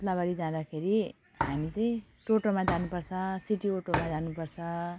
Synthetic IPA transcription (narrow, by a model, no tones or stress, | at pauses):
t̪labaɽid͡zãd̪akʰeɾi | hamit͡saĩ | ʈoʈomad͡zanupʌrt͡sʰʌsiʈioʈomad͡zanupʌrt͡sʰʌ